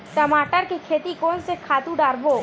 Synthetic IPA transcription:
t̪əmaʈaɾkekʰet̪ikonsekʰat̪uɖaɾbo

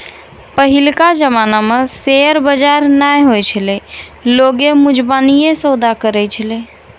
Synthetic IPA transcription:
pəɦilkad͡ʒəmanameseəɾbəd͡ʒaɾnajɦojt͡ʃʰəlɛloɡemud͡ʒbanijesəd̪akəɾɛt͡ʃʰəle

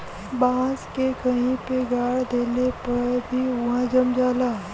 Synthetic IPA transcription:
baːskekɐɦĩpeɡaːɽd̪eːlepɐɽbʱiʋɐɦãd͡ʒɐmd͡ʒaːlaːɦ

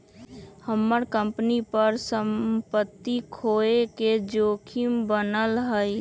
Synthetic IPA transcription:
həmːəɾkə̃mpnipəɾsəmpət̪ːikʰoːeked͡ʒoːkʰimbənəlɦəj

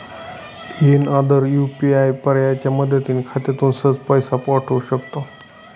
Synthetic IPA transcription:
enad̪əɾjupiajpəɾjat͡ɕjaməd̪ʱət̪iːnkʰat̪et̪uːnsət͡spəjsapɔʈʰəuɕəkt̪o

